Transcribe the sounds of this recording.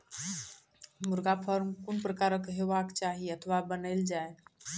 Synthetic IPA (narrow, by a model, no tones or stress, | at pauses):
muɾɡapʰəɾmkunpɾəkaɾəkɦebakt͡ʃaɦiət̪ʰʋabənəɪld͡ʒae